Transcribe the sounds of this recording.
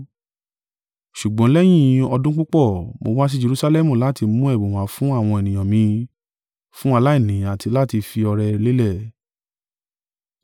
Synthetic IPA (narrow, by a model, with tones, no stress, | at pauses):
ʃu˨ɡ͡bɔ̃˨˦lɛ˦j̃ĩ˦˧˨ɔ˧dũ˦k͡pũ˦k͡pɔ˦˨mo˧wa˦s̬i˦d͡ʒe˧ɾu˧sa˧lɛ˦˨mũ˦˨la˨˦ti˧mũ˦ɛ˦˨bõ˨w̃ã˨˦fũ˦a˦˨w̃ɔ̃˧e˨nĩ˨j̃ɔ̃˨mĩ˧ | fũ˦a˧la˦i˦˨nĩ˨a˨tʰi˧la˦ti˧fi˧ɔ˧ɾɛ˧le˦lɛ˦˨